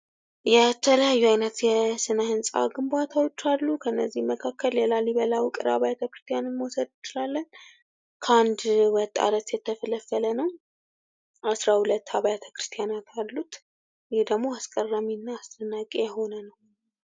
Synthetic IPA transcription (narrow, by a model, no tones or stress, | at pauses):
jɛt̪ʰələjajːuajnət̪jɛsɨnəhɨnsʼa̰ɡɨmbat̪ʰawo̞t͡ʃːalːukʰənːəzːihməkʰakːəljɛlaliβəlawkʼɨɾa̰βajat̪ʰəkɾɨ̥st̪ʰijanɨnmosəd̪jɪt͡ʃːɪlalːən | kʰəand̪wɔt̪ʼːa̰lət̪jɛt̪ʰːəfələfːələnəw | asɾahulət̪ːhaβajat̪ʰə̥kɾɨ̥st̪ʰijanat̪alːut̪ | jɛhd̪əɡmo̞askʼərːaminːaːst̪ʰənːakʼejɛho̞nənəw